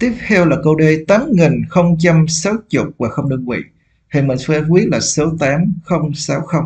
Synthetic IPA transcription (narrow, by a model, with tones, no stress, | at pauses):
t̪i˦˥əp̚t̪ʰɛ˧wlaː˨˩kə˧wɗe˧t̪aː˨˦mŋi˨˩nxə˧wŋ͡mt͡ɕa˧msa˨˦wt͡ɕʊ˨˩k͡p̚vaː˨˩xə˧wŋ͡mɗɨ˧ŋvḭ˧˨ | ha˧˩mi˨˩ŋ̟fɛ˧˦kwi˦˥ət̚laː˨˩so˨˦t̪aː˨˦mxə˧wŋ͡msa˨˦wxə˧wŋ͡m